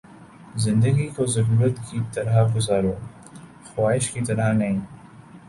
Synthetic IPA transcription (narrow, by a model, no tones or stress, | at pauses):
zɪ̃nd̪əɡikozɐɾuːɾət̪kit̪ɐɾaɡʊzaːɾoː | xwaːɪʃkit̪ɐɾanɐɦĩː